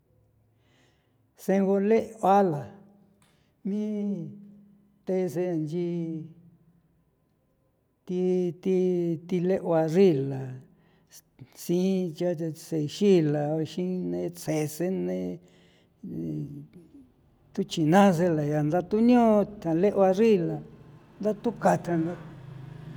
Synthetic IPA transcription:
sẽ˧ŋɡo˧le˦˧a˦la˨ | mĩ˦ | t̪e˧se˧˨nd͡ʒi˧ | t̪i˧t̪i˧t̪i˧le˦ʔwa˧ri˦la˨ | sĩ˦t͡ʃa˦˧se˧ʃi˦la˨˧ʃĩ˦nẽ˧t͡se˨se˦nẽ˦ | t̪u˦t͡ʃi˨nã˦s̬e˧la˨ja˨nd̪a˧t̪u˦ɲõ˦˧t̪ã˨le˦ʔo˧a˧ri˦˨la˨ | nd̪a˦t̪u˦ka˧t̪ã˧nda˧

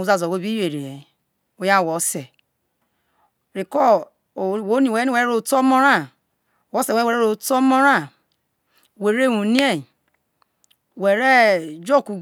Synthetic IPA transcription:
u˨za˨zo˨wo˦bi˦e˨ɾe˨je˨ | o˨ja˦˨wo˨˦se˨ | ɾi˨kɔ˦˨ | wo˦ni˨e˨˦i˦we˨e˦ɾo˨to˦mo˦ɾa˦˨ | wɔ˦se˨we˦we˨˦e˦ɾo˨to˦mo˦ɾa˦˨ | we˨ɾe˦˨wũ˨ni˦e˦˨ | we˨ɾe˦d͡ʒo˦˨ku˨

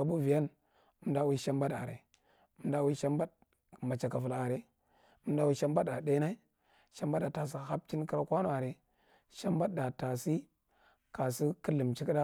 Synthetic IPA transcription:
ka˨bu˦vi˨ja˦n˦ | m˦da˦wi˦ʃa˦mba˦ɗa̰˨ɾḛ˨˦ | m˦da˦wi˦ʃa˦mba˦d | ma˨t͡ʃa˨ka˨fu˨la˨ɾe˨ | ə˦m˦da˦wi˦ʃa˦mba˦da˨de˦na˦i˦ | ʃa˦mba˦ɗa˨ta˨s̬i˨ha˦p̚ti˦nki˦ɾa˦kʷa˦nu˦˨a˨ɾe˨ | ʃa˦mba˦tda˨ta˨si˦ | ka˨si˦kə˦lɨ˨mt͡ʃi˦ki˦ɗa˦

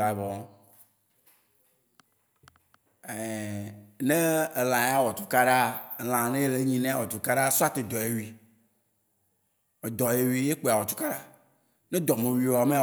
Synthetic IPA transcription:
a˨vɔ˨˦ | e˨ | ne˦˨l̃ã˨˦a˦wɔ˨t̪u̥˦ka˦ɖa˦e˨l̃ã˨nẽ˦e˦le˦ɲĩ˨nẽ˦a˦˨wɔ˨t̪u˦ka˦ɖa˦su˦a˦t̪e˨d̪ɔ˨e˦wi˨˦ | we˨d̪ɔ˨je˨wi˦je˦k͡pe˨a˨wɔ˨t̪u̥˦ka˦ɖa˦ | nẽ˦d̪ɔ˨mẽ˨wi˨wa˨mẽ˦˨

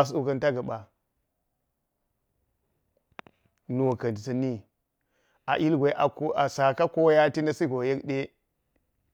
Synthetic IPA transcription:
s̬u˦kɐ˦nta˦ɡa˨ɓa˨ | nu˨wo˨kɐ˨n˨ti˨ta˨ni˦ | a̰˨ʔi˦lɡʷe˨˦ʔa˨˦a˨sa˨ka˦ko˦ja˦ti˦na˦si˦ɡo˨je˦kɗe˦

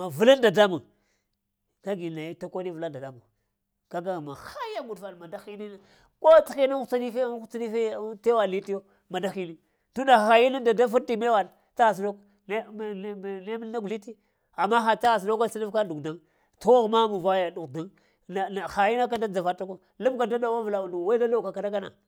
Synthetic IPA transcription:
ma˨vu˨la˦nda˨da˦mu˨ | ka˦ɡi˨na˨ji˦ta˦kʷo˦i˦vu˨la˦nda˨da˦mu˨ | ka˦ɡa˦ɣma˨xa˦ja˦ɡu˨dfa˨n˨ma˨da˦xi˦ni˦na˦ | ko˦ti˦xi˦na˦a˦ni˦fe˦xt͡sa˦ni˦fte˦wa˨li˦ti˦jo˦ | ma˨da˦xi˦ni˦ | tu˦nda˨xa˨ji˦ni˦nda˨da˦fu˦ɾti˨me˦wa˨n˨ | ta˦ɣa˨s̬do˦k | n˦˨ne˦mi˦lna˦ɡu˨li˦ti˦ | a˨mːa˦xa˨ta˦ɣa˨s̬no˦ka˦si˦na˦fka˦du˨ɡda˦ŋ | to˦ɣma˦mu˨va˦ja˨du˨da˦ŋ | na˨na˨xa˨ji˦na˦k̬a˦da˦d͡za˨va˦ta˦ko˦ | lu˦mka˨da˦da˨wa˦vla˨u˨nu˨wa˦i˦da˦la˦ka˨ka˨da˦ka˦na̰˨

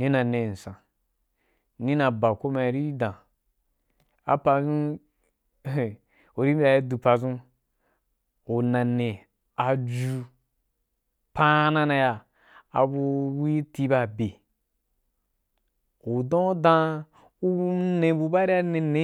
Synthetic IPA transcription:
ni˦na˨ne˨n̩˨sã˨ | ni˦na˨ba˨ko˦ma˧˨ɾi˦dã˨ | a̰˨pa˧zũ˦˨ | u˨ɾi˦mʲ˦a˨ji˦du˨pa˨zũ˦ | u˨nã˨ne˨ | a˨d͡ʒu˧ | pa˦na˦na˧ja˨ | a̰˨bu˧ɾu˦i˦ti˦ba˦˨be˨ | u˨dõ˦dã˦˧ | u˦u˦ne˨bu˧ba˦ɾi˦a˦ne˧ne˦

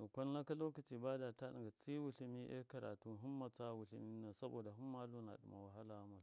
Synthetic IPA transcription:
o˨kʷa˦n˦la˦ka˦lo˦ka˨t͡ʃi˨ba˦da˨ta˦ɗḭ˨ŋɡa˨t͡si˦wu˨ɬi˦mi˦ʔḛ˦ka˨ɾa̰˨tu˦ɦu˦mːa˨t͡sa˦wu˨ɬḭ˦mi˦na˨sa˦bo̰˨da˨ɦu˦mː˦a˦lu˦na̰˨ɗṵ˨ma̰˨wa˨ɦa˦la˨˦ma˨l

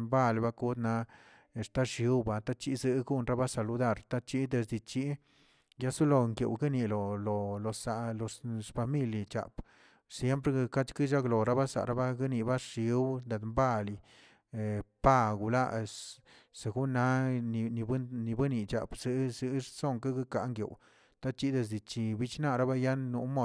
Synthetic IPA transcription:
mba˦lba˦ku˦d̪na˧ | e˨st̪a˦ʂi˨˦wba˧t̪a˦t͡ʃi˦zɨ˧ɡu˦nɾa˦ba˦sa˨lu˧d̪a˦˨ɾt̪a˦t͡ʃi˦d̪e˧sd̪i˧t͡ʃi˦ | ja˦su˦lo˧˨ŋkḛ˨wɡi˦ni˧lo˨lo˨lo˨sa˨lo˧fa˧mi˦lja˨t͡ʃa̰˨p | sje˦mp̬ɾe˦ɡka˦t͡ʃki˦ʃa˦klo˨ɾa˦ba˦sa̰˨ɾʔa˦ba˦ɡa˦ni˧ba˦ʂi˧wd̪e˨d̪mba˦˨li˨ | pa˦˧ɡu˨la̰˦ | se˨ɡu˦na˦˧ni˧bni˧bɨ˦ni˨t͡ʃa̰˨bsɨ˧zi˧˦so˦˨ŋka˦ɡa˦ka˨˦ŋɡjḛ˨w | t̪a˦t͡ʃi˦d̪e˧z̬d̪i˨t͡ʃi˧˨bi˦t͡ʃna˦˧ɾa˦ba˦ja˦nːu˧˦mo˦˨

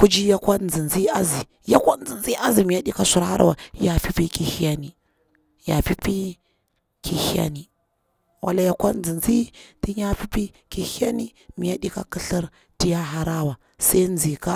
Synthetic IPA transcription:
ku˦d͡ʒi˦ja˦kʷa˦nd͡zi˨nzi˦a˦zi˨ | ja˦kʷa˦n˦d͡zi˨nzi˦a˦zi˨mi˨ja˦ɗi˦ka˦su˦ɾha̰˦ɾa̰˦˨wa˨˦ja˨fi˦pi˦ki˨hi˦ja˦ni˨ | ja̰˨fi˦pi˦ | ki˨hi˦ja̰˦ni˨ | wʔa̰˦la˦ja˦kʷa˦n˦d͡zi˨nzi˦ti˦ɲa˦fi˦pi˦ | ki˨hi˦a˦ni˦ | mi˨ja˦ɗi˦ka̰˦ki˦ɬi˦ɾ | ti˦ja˦ɦa˦ɾa˦wa˨ | sa˦i˦nd͡zi˨ka˦

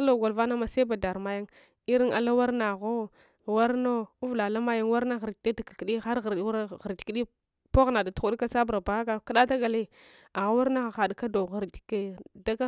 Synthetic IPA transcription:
a˦lo˨ɡa˨lva˦na˦ma˨se˦ba˨da˨ɾma˦ja˦ŋ | i˦ɾi˦ŋa̰˨la˦wa˦ɾna˨ɣo˦ | wa˦ɾno˦u˦vla˨la˦ma˦ja˦ŋwa˦ɾna˦ɣi˨ɾti˨˦i˦da˨ka˨ki˨ɗi˦xa˦ɾɣɾɾɣa˨ɾdi̥˨ki˦ɗi˦ | po˦ɣna˨da˨tu˦u˦ɗi˦ka˦sa˦bɾa˨ba˨a˦ɡa˦ka˦ɗa˦ta˦ɡa˨le˦ | a˨ɣa˦wa˦ɾna˦ɣa˨xa˨dka˦do˨ɣa˨ɾdi̥˨ke˦da˦ka˦

